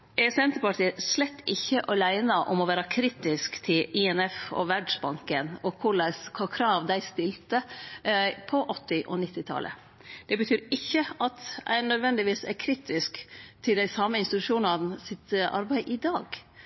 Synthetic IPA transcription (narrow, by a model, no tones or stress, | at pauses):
ʔɛsɛnt̪əpɑʈʰiːəslɛt̪ːɪçːəʔɔlæɪnɑʔɔ̰mɔʋæːɾɑkʰɾiːt̪ɪskt̪ʰɪlɪɛnɛfɔ̰ʋæɖʂbɑŋkənɔkʰʊɭæskʰɑːkʰɾɑːʋd̪æɪst̪ɪlt̪ə | pʰɔʔɔt̪ːɪʔɔ̰nɪt̪ːɪt̪ʰɑ̰lʔə̰ | d̪̥ɛbət̪ʰyːɾɪçːəɑt̪æ̰ɪnœd̪ʋɛnd̪ɪʋiːsæ̰ɾkʰɾiːt̪ɪskt̪ʰɪld̪æɪsɑmːəɪnst̪ɪt̪ʉʂuːnɑnəsɪt̪ʔɑ̰ɾbæɪʔɪd̪ɑːɡ